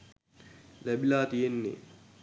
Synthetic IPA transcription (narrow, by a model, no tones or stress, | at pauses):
læbilaːt̪ijenːḛ